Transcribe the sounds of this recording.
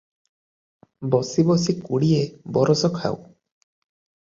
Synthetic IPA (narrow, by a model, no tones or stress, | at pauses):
bɔsibɔsikuɽiebɔɾɔsɔkʰa̰w̰